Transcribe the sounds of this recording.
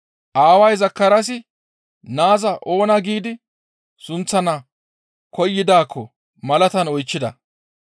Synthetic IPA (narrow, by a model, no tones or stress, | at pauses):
ʔaːwɐjzɐkːɐɾɐs̬ɪ | naːzɐʔo̞ːnɐɡiːd̪ɪ | sʊnt͡sːɐnɐ | kɔjːɪd̪aːkʰːɔ | mɐlɐt̪ɐnɔjt͡ʃːɪd̪ɐ